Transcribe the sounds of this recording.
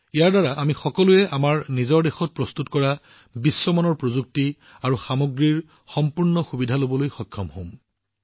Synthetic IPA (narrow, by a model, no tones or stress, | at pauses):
ijaɹdaɹaʔamixɔkɔluɛʔamaɹnizɔɹdexɔt̚pɹɔstutkɔɹa | bisːɔmanɔɹpɹozuk̚ti | aɹuxamoɡɹiɹ | xɔmpuɹnɔxubidʱalobɔlojxɔkʰːɔmhõm